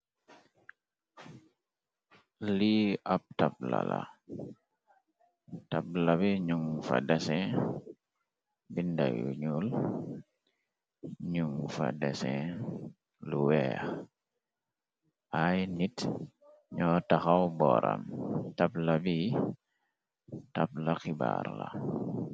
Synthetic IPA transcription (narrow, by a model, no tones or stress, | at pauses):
liap̚tap̚la̰la | tap̚labiɲuŋfa̰dɛsɛ̃ | binda̰jṵɲul | ɲuŋfa̰dɛsɛ̃ | luwɛːx | ʔajnit | ɲɔtaxawbɔɾamtaplabi | tap̚lakiba̰ɾla